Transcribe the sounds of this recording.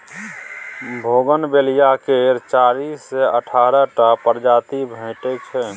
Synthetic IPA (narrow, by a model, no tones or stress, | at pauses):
bʱoːɡənbelijakeɾt͡ʃaːɾiːsːeəʈʰaːɾəʈəpəɾd͡ʒaːt̪ibʱə̃ɪʈet͡ʃʰɛ